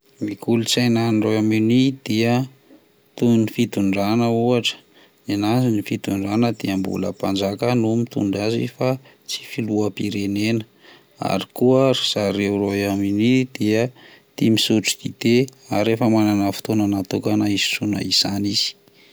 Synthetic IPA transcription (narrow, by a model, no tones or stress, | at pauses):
mikulut͡sajnanroaminid̪̥iə | t̪unifit̪uɳɖ͡ʐanəuaʈ͡ʂə̥ | inazinifit̪uɳɖ͡ʐanəd̪iəmbṵlə̰pand͡zakənumit̪ṵɳɖ͡ʐazifa | t͡si̥filuapiɾenenə | a̰ɾikuaɾi̥z̥aɾewɾoaminid̪iə | t̪imisuʈ͡ʂid̪̥id̪̥eaɾefəmananafi̥t̪onanat̪okanaizi̥sunə̰iz̥aniz̥i̥